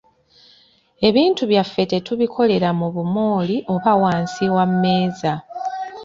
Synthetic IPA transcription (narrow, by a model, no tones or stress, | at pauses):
e̞βiːntuβjafːe̞te̞tuβikʰo̞le̞ɾamuβumo̞ːliʔo̞βawaːnsiwamme̞ːza